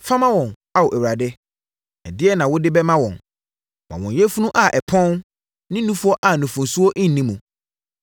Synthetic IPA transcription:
fa˦mã˦wɔ̃˨n | a˨wo˨æ˨wa˨dɪ˦ | ɛ˨dɪ˦ɛ˦nã˨wʊ˦dɪ˦bɛ˦mã˦wɔ̃˨n | mã̰˨wɔ̃˨jɛ˦fu˦nũ˦ʔa˨ʔɛ˨pʰɔ̃˦n | nɪ̃˦nũ˦fu˦ɔ˦ʔa˨nũ˨fũ˨nsu˦ɔ˦ʔɪ̃˦n̩˨nĩ˦mũ˨

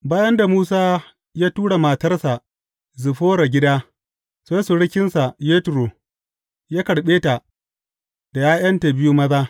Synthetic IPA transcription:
baː˦jɐ˦nda˨muː˦s̬aː˦ | jaː˦tuː˦ɽa˨ma˨tɐ˦rsa˨ | zɪ˨ɸoː˦ɾa˨ɡʲɪ˦daː˦ | seː˦sʊ˨ɽɪ˦kʲɪ˦nsa˨jeː˦tɾo˨ | jaː˦kɐ˨ɽɓeː˦ta˨ | d̥a˨jaː˦jɐ˦nta˨bɪ˦ju˦mɐ˦zaː˦

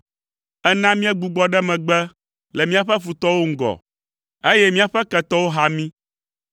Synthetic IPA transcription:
ɛ˦nã˦mĩ˦ɛ˦ɡ͡bu˨ɡ͡bɔ˦ɖɛ˦mɛ̃˨ɡ͡bɛ˦ | lɛ˨mĩ˦a˨ɸɛ˦fu˨t̪ɔ˦wo˦ŋ̩˦ɡɔ̰˨ | e˦jɛ˦mĩ˦a˨ɸɛ˦kɛ˨t̪ɔ˦wo˦ɦa˦mĩ˦

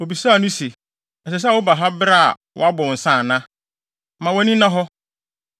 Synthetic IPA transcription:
o˨bi˨saː˦˨nʊ̃˦se˨ | ɛ˨s̬ɛ˨s̬ɛ˦˨wʊ˦ba˨ɦa˦bɾa˦a̰˨ | wɔ̰˦a˦bʊ˨n̩˨sã˦˨nã˦ | mã˨wɔ˦nĩ˦nã˦ɦɔ˦

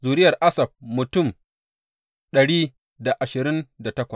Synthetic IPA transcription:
zuː˨ɾɪ˦jɐ˨rʔa˦sɐ˨b̚mʊ˨tʊ˦˨m | ɗɐ˨ɽiː˦ | da˨ʔa˨ʃɪ˨ɾɪ˦nda˨tɐ˦kʷɐ˨s

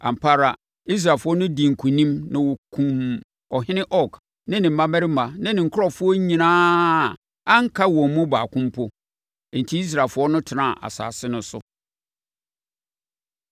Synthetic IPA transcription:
ã̰˨m̩˨pʰa˦ɾa˨ | i˦s̬ɾaː˨fʊ˦ɔ˦nʊ̃˦di˨ŋ̩˨kʰũ˨nĩ˦mnɪ̃˨wɔ˨kʰũ˨m | ɔ˨ɦɪ̃˦nɪ̃˦ʔɔ˦k | nɪ̃˦nɪ̃˨m̩˨˦ã˦mɛ˦ɾɪ˦mã˨nɪ̃˦nɪ̃˨ŋ̩˨kʰʊ˦ɔ˨fʊ˦ɔ˦ɲĩ˨nãː˦˨ | ã˦ŋ̩˦kʰa˦wɔ̃˨m˨mũ˦baː˨kʰʊ̃˦mpʰʊ˦ | e˨n̩˨tʰi˦i˦s̬ɾaː˨fʊ˦ɔ˦nʊ̃˦tʰɪ˨nã˦˨ʔa̰˨sa̰ː˨sɪ˦nʊ̃˦sʊ̰˨˦

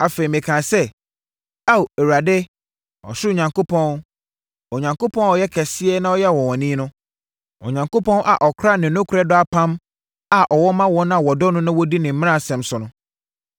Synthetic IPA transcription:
a˨fe˨i˨mɪ̃˨kʰã˨sɛ˦ | a˦we˨wu˨a˨dɪ˦ | ɔ̰˨ɕɪ˦o˨ɲã˨ŋko˦pʰɔ̃˦n | ɔ˨ɲã˨ŋko˦pʰɔ̃˦n˦ɔ˨jɛ˦kʰɛ˨sɪ˦ɛ˦nã˦ɔ˦jɛ˦˨wɔ̃˨wɔ̃˨nĩː˦nʊ̃˦ | ɔ̰˨ɲã˨ŋko˦pʰɔ̃˦nʔa̰˨ʔɔ˨kʰɾa˦˨nɪ̃˨nʊ̃˦kʰʊ˨ɾɛ˦dʊ˦a˦pʰã˦m | a˨ʔɔ˨wɔ˦mã˦wɔ̃˦nã˦˨wɔ˨dɔ˦nʊ̃˦nʊ̃˦wɔ˦di˦nɪ̃˨m̩˦mɪ̃˦nã˦˨sɛ̃˨msʊ˨nʊ̃˦

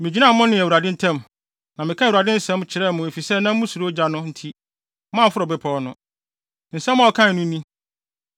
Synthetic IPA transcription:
mɪ̃˨d͡ʑi˨˦nã˦˨˦mʊ̃˦nɪ̃˨æ˨wu˨ɾa˨dɪ̃˦n̩˦tʰɛ̃˦m | nã˨mɪ̃˨kʰã˦˨wu˨ɾa˨dɪ̃˦n̩˦sɛ̃˦m˦t͡ɕʰɪ˨ɾɛ˦˨mʊ̃˨e˨fi˨sɛ˦nã˦m̩˦mʊ̃˦su˨ɾo˦d͡ʑa˦nʊ̃˦n̩˦tʰi˦ | mã˦˨˦fʊ˦ɾɔ˨bɛ˦pʰɔ˨˦nʊ̃˦ | n̩˨sɛ˦m̃˦ɔ˨kʰã˦n˨nʊ̃˦nĩ˦

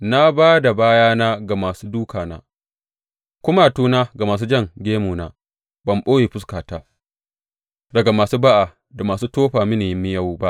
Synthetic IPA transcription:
na˦baː˦da˨baː˦jaː˦naː˦ɡa˨maː˨suː˦duː˦kaː˨na̰ː˦ | kʷʊ˦ma˦˨tuː˦naː˦ɡa˨maː˨s̬uː˦d͡ʒɐ˦ŋɡʲeː˦muː˨naː˦ | bɐ˨mɓoː˦jeː˨ɸʊ˦skaː˨taː˦ | dɐ˨ɡa˨maː˨suː˦ba˦ʔaː˨ | da˨maː˨suː˦toː˦ɸaː˨mi˦neː˨jɪ˦mːɪ˦ja˦wba˦ʔ

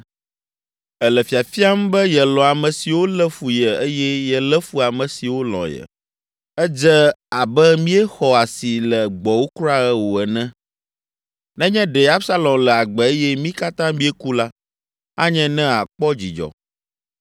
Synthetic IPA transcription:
ɛ˨lə˨fi˨a˨fi˦a˦m̩˦bɛ˦jɛ˨lɔ̃˨a˨mɛ̃˨si˨wo˦lɛ˦fu˨jə˨ə˦jɛ˦jɛ˨lɛ˦fu˦a˨mɛ̃˨si˨wo˦lɔ̰̃˨jə̰˨ | ɛ˦d͡ʒɛ˦a˨bɛ˦mĩ˦ɛ˦xɔ˨a˨si˨lɛ˨ɡ͡bɔ˨wo˦kɾa˦ɛ˦wo˨ɛ˨nɛ̃˦ | nɛ̃˦ɲɛ̃˦ɖɛ˨a˦bsa˦lɔ̃˨mlɛ˨a˨ɡ͡bɛ˨e˦jɛ˦mĩ˦ka˦t̪ã˦mĩ˦ɛ˦ku˦la˦ | a̰˦ɲɛ̃˦nɛ̃˦a˨k͡pɔ˦d͡ʑi˨d͡ʒɔ̰˨

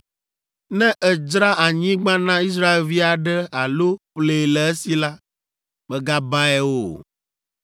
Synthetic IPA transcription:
nɛ̃˦ʔɛ˨d͡ʒɾa˦ʔa˨ɲĩ˦ɡ͡bã˦nã˦i˦s̬ɾa˦e˨lvi˦a˨ɖɛ˦a˨lo˦ɸle˨lɛ˨e˦si˨la˦ | bɛ˦ɡa˦ba˦ɛ˦wo˨

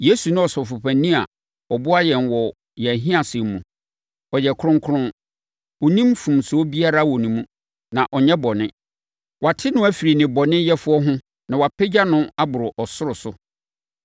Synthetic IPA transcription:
je˦su˨nʊ̃˦ɔ˨sɔ˨fʊ˨pʰã˨nĩ˦a̰˨ | ɔ˨bʊ˦a˦jɛ̃˨nwɔ˨ | jɛ˨ɦĩ˦a˨sɛ˨m˦mṵ̃˨ | ɔ˨jɛ˨kʰʊ˦ɾʊ̃˦ŋkʰʊ˦ɾʊ̃˦n | ɔ˨nĩ˦mfũ˨msʊ˨˦ɔ˦bi˦a˦ɾa˦˨wɔ˨nĩ˨mũ˦ | nã˨ʔɔ˨ɲɛ̃˦bɔ˨nɪ̃˦ | wa˨tʰɪ˦nʊ̃˦æ˦fi˨ɾi˨nɪ̃˨bɔ˨nɪ̃˦jɛ˦fʊ˦ɔ˦ɦʊ̃˦ | nã˨wa˨pʰɛ˦d͡ʑa˦nʊ̃˦a˦bʊ˨ɾʊ˨ʔɔ˨sʊ˦ɾʊ˨sʊ˦

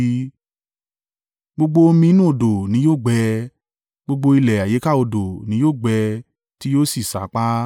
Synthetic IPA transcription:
ɡ͡bo˧ɡ͡bo˧o˧mĩ˧˦nũ˦o˧˨do˨nĩ˨˦joː˦˨ɡ͡bɛ˧ | ɡ͡bo˧ɡ͡bo˧i˧lɛ˨a˨je˨˦ka˦˨o˧do˨nĩ˨˦joː˦˨ɡ͡bɛ˧ | ti˦joː˦si˦˨sa̰˨˦k͡pa˦

